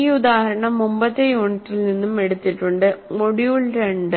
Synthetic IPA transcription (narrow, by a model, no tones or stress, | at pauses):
iud̪aːhɐɾɐɳɐmːumbɐt̪ːejuoːɳiʈːilninːume̞ɽut̪ːiʈːuɳɖɨmoɽijuɭɾeɳɖɨ